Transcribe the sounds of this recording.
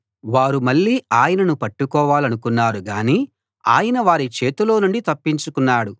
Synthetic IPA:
ʋaːɾumɐɭːiːaːjɐnɐnupɐʈːukɔːʋaːlɐnukunːaːɾuɡaːniː | a̰ːjɐnɐʋaːɾit͡ʃeːt̪ulo̞ːnuɳɖit̪ɐpːiɲt͡ʃukunːaːɽu

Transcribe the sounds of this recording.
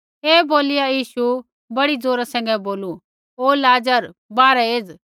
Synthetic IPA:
eːboːlɪjajiːʃu | bɐɽid͡zoːɾasɛ̃ːŋ̆ɡɛ̃boːlu | oːlaːd͡ʒəɾbaːɾɛeːd͡z

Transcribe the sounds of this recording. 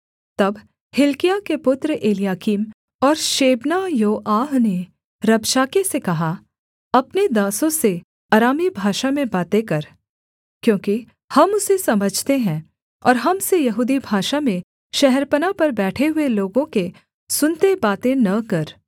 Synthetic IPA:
t̪ɐb | hɪlkijakepʊt̪ɾəʔeːlijaːkiːm | ɔːɾʃeːbnajoːʔaːɦne | ɾɐbʃaːkesekɐɦa | ɐpned̪aːsõse | ɐɾaːmibʱaːʃamẽbaːt̪ẽkɐɾ | kjõːki | hɐmʊsesɐməd͡ʒʱt̪eɦɛ̃ː | ɔːɾɦɐmsejɐɦuːd̪ibʱaːʃamẽ | ʃɛɦɛɾpənapɐɾbɛːʈʰeɦʊeloːɡõke | sʊnt̪ebaːt̪ẽnɐkɐɾ

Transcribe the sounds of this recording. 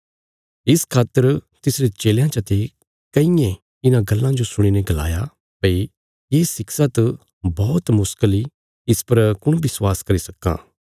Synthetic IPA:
ɪskʰaːt̪ːəɾt̪ɪsɾet͡ʃeːljãt͡ʃɐt̪e | kɐĩjẽ | ɪnãɡɐlːãd͡ʒosʊɽ̃ineɡɐla̰ːja | pɐi | jeːsɪksat̪ | bɔːt̪mʊskəli | ɪspɐɾkʊɽ̃bɪswaːskɐɾisɐkːã̰ː

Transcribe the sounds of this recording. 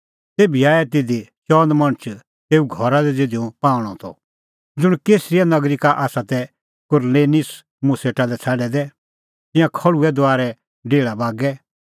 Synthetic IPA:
t̪eːbiaːɛt̪ɪd̪et͡ʃɔːnd̪mɐ̃ɽ̃ət͡ʃʰ | t̪eːuɡʱɔɾad̪ɛd͡zed̪iũpãːɽ̃ɔt̪ʰɔ̰ | d͡zʊɽ̃keːsɾɪjanɐɡɾikaʔaːsat̪ɛ | kʊɾleːnɪs | mʊseʈalɛt͡sʰaɖɛd̪ɛ | t̪ɪ̃jãkʰɐɭuɛd̪ʊaːɾɛ | ɖeːɭabaːɡɛ

